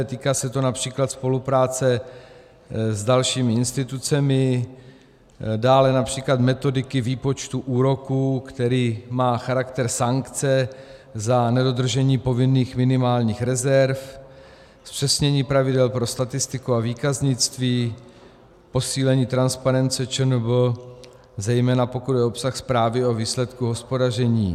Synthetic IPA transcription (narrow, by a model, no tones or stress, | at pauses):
t̪iːkaːsɛt̪o̞napr̥iːklat̪spo̞lupɾaːt͡sɛ | zdalʃiːmɪɪnst̪ɪt̪ut͡sɛmɪ | daːlɛnapr̝̥iːklat̪mɛt̪o̞dɪkɪviːpo̞t͡ʃt̪uʔuːɾo̞kuːkt̪ɛɾiːmaːxaɾakt̪ɛɾsaŋkt͡sɛ | zanɛdo̞d̪r̩ʒɛɲiːpo̞vɪnːiːxmɪnɪmaːlɲiːxɾɛzɛɾf | spr̝̥ɛsɲɛɲiːpɾavɪdɛlpɾo̞st̪at̪ɪst̪ɪkuaviːkazɲɪt͡st̪viː | po̞siːlɛɲiːt̪ɾanspaɾɛnt͡sɛt͡ʃənb̩ | zɛjmɛːnapo̞kud̪dɛopsaxspɾaːvɪo̞viːslɛt̪kuɦo̞spo̞dar̝ɛɲḭː